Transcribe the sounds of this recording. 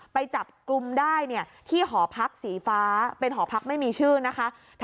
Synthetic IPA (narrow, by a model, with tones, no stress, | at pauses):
pa˧jt͡ɕa˨˩p̚klu˧mdaː˥˩jni˥˩ɐt̪ʰiː˥˩ɦɔː˩˦pʰa˦˥k̚siː˩˦faː˦˥pe˧nɦɔː˩˦pʰa˦˥k̚ma˥˩jmiː˧t͡ɕʰɯː˥˩na˦˥kʰa˦˥ | t̪ʰ